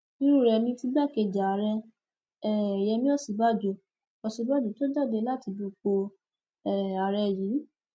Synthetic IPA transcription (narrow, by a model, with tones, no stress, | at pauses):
ĩ˦ɾu˦˨ɾɛ˧nĩ˧ti˧ɡ͡ba˦˨ke˧˨d͡ʒa˨a˨ɾɛ˧ | ɛ˦˨ɛ˨jɛ˧mĩ˦ɔ˦˨si˨˦ba˦˨d͡ʒo˨ | ɔ˨si˧˦ba˦˨d͡ʒo˨to˦da˦˨de˧la˦ti˧bi˧k͡po˧ | ɛ˦˨a˨ɾɛ˧jiː˨˦